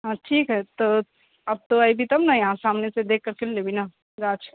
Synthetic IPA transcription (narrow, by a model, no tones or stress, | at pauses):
ɦãːʈʰiːkɦɛt̪o | ɐb̚t̪oaibʱit̪ɐmnɐjɐɦãsaːmnesed̪eːkʰːɐɾkɪllebʱina | ɡaːt͡ʃʰ